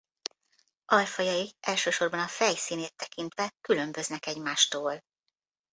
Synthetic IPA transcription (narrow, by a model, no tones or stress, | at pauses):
ʔɒjfɒjɒjiɛlʃøːʃo̞rbɒnɒfɛjsiːneːt̪ːɛkint̪ʋɛkylø̞mbø̞znɛkɛɟmaːʃt̪oːl